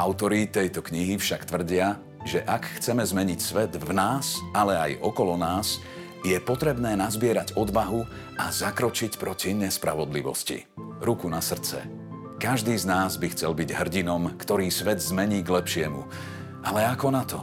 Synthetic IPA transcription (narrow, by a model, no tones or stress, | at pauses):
aʊt̪ɔɾit̪ɛjt̪ɔkɲiɦifʃakt̪ʋr̩ɟɪa | ʒɛʔakxt͡sɛmɛzmɛɲicsʋɛd̪vnaːsalɛajɔkɔlɔnaːs | jɛpɔt̪ɾɛbnɛːnazbɪɛɾaɟɔd̪ʋaɦu | azakɾɔt͡ʃicpɾɔciɲɛspɾa̰ʋɔd̪liʋɔ̰scḭ | ɾukunasr̩t͡sɛ̰ | kaʒd̪iːznaːzbixt͡sɛlbiɟɦr̩ɟinɔmkt̪ɔɾiːsʋɛd̪zmɛɲiːɡlɛpʃɪɛmṵ | ʔalɛakɔnat̪ɔ